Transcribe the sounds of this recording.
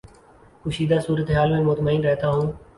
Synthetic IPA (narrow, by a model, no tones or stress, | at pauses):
kʊːʃiːd̪aːsuːɾət̪eɦaːlmẽːmʊt̪məiːnɾɛɦt̪aːɦũː